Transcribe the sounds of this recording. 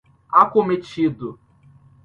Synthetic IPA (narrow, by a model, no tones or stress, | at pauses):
akomet͡ʃid̪ʊ